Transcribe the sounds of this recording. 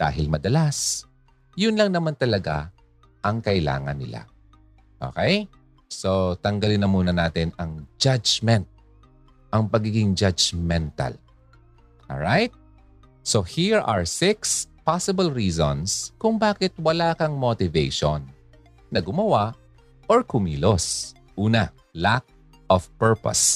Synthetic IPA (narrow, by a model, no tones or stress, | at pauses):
d̪̥a̰ːɦɪlmɐd̪ɐlas | jʊnlɐŋnɐmant̪ɐlɐɡa̰ | ʔɐŋkɐʔɪla̰ːŋɐ̰nːɪ̰la̰ | ʔo̰ːkɛj | sot̪ɐŋɡɐlɪnɐmuːnɐnaːt̪ɪnɐŋd͡ʒad͡ʒmɛnt̪̚ | ʔɐŋpɐɡiːɡɪŋd͡ʒad͡ʒmɛnt̪ɐ̰l | ʔo̰ɹajt̪̚ | sohiɹɐɹsɪkspasɪbɐlɹiːzo̰nskʊŋbaːkɪt̪̚wɐlaːkɐŋmot̪ɪvejʃonː | ɐɡʊmɐwaʔ | ʔoɹkʊmḭːlos | ʔuːnɐ | lak̚ | ʔɔfpɛɹpɐ̰s